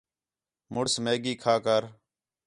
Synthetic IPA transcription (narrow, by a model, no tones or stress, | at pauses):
mʊɽsmeːɡiːkʰaːkəɾ